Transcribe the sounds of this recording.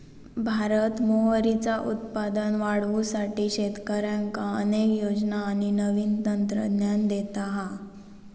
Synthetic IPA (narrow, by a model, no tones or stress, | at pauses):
bʱaɾət̪moɦəɾit͡saʔut̪̚pad̪ənʋaɽʋusaʈiːɕet̪kəɾjaŋkaə̰nekjod͡znaːɽ̃inəʋiːnt̪ənt̪ɾə̰d̪njand̪et̪aɦa